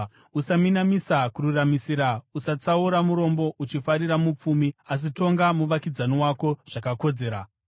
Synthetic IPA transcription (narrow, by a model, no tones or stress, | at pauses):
usaminamisakururamisiɾausat͡sauɾamuɾo̞mbo̞ʔut͡ʃifaɾiɾamup͡fumias̬ito̞ŋɡamuʋakid͡zaniwako̞ʐ̥akako̞d͡ze̞ːɾa